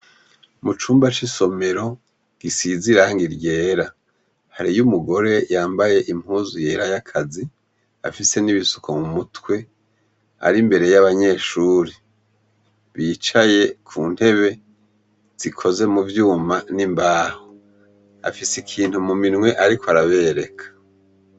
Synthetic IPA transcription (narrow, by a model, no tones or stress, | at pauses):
mut͡ʃuːmbat͡ʃiso̞me̞ɾo̞ | ɡ̥isiziɾaŋɡiɾɟe̞ːɾa | haɾijumuɡo̞ɾe̞jaːmbaje̞ʔim̥huːzuje̞ːɾajakʰazi | a̰fise̞niβisu̥komumutwe̞ | a̰ɾimbe̞ɾe̞jaβaɲe̞ːʃuːɾi | βiːt͡ʃaje̞kʰuːn̥he̞βe̞ | z̥ikʰo̞ze̞muvjuːmanimbaːho | a̰fisikʰiːnthumuminŋwe̞ʔaɾikoaɾaβe̞ɾe̞kʰḁ